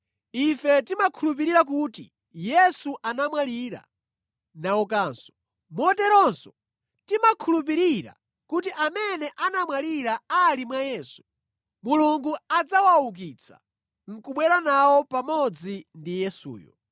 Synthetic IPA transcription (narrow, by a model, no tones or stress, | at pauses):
ifɛtimakʰulup̬iɾiɾak̬uti | jɛsuʔanamwaliɾa̰ | nawɔk̬aːnsɔ̥ | mɔtɛɾɔnsɔ̥ | timakʰulup̬iɾiɾa̰ | kut̬iʔamɛnɛʔanamwaliɾaalimwajɛːsu̥ | muluŋɡuad͡zawawuk̬it͡sʰḁ̰ | ŋ̩kuɓwɛɾanawɔpamɔd͡zindijɛsṵːjɔ̰